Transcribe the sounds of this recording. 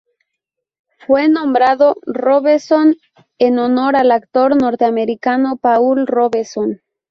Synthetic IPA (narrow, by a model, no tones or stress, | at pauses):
fwenõmbɾaðoroβeɾson | enono̞ɾalakt̪oɾno̞ɾt̪eameɾikanopaulroβeson